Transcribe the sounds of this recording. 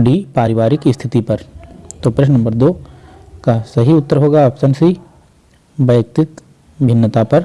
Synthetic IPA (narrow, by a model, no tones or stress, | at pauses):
ɖiːpaːɾɪʋaːɾɪkist̪ʰɪt̪ipɐɾt̪oːpɾeʃnɐ̃mbəɾd̪oː | kasɐɦiʊt̪ːəɾɦoːɡaɐbsɐnsi | bɐjk̚t̪ɪt̪ | bʱɪnːət̪apɐɾ